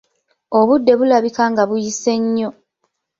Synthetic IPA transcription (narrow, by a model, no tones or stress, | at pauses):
oβudːe̞βulaβikaːŋɡaβujise̞ɲːo̞